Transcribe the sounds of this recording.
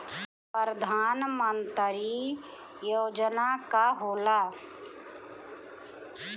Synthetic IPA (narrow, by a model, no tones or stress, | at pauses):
pəɾəd̪ʱaːnmənt̪ɾi | joːd͡ʒnakaɦoːla